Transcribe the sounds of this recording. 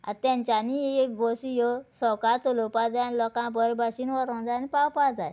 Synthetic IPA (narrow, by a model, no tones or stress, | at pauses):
a̰t̪ãɲt͡ɕaniek̚ɡɔsijɔsɔkat͡sɔlopad͡zajnlɔkãbəɾbaɕinʋɔɾɔ̃d͡zajnipawpad͡za̰j